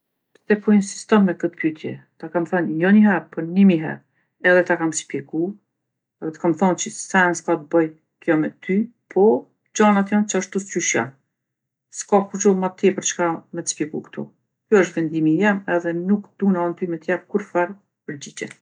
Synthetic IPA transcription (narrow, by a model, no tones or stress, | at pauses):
pt̪ɛpɔinsi̥st̪ɔnmɛkət̪pyt̪ʰjɛ̰t̪akamθənjɔɲəɦɛɾpɔnimiɦɛ̰ɾ | ɛðɛt̪akamspjɛɡu | ðɛt̪kamθɔnt͡ʃəsɛnskat̪bəj | kjɔmɛt̪ʰypʰɔ | d͡ʑanat̪jant͡ʃəaʃt̪uscyʃja̰ | skakut͡ʃɔmat̪ːjɛpəɾt͡ʃkamɛt̪ə̥spjɛɡukt̪ʰṵ | kjuəʃ̬t̪vɛnd̪imijɛmɛðɛnukd̪̥unant̪ymɛt̪jɛɾkuɾfɛɾ | pəɾd͡ʑid͡ʑɛ̰